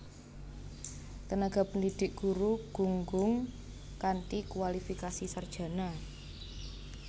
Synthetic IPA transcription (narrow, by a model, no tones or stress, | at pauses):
k̪ənaɡ̥a̤pəndid̥ɪ̤k̚ɡ̥ṳɾuɡ̥ṳŋɡʊŋ | kanʈikwalifikasisard̥ʒ̥ä̤na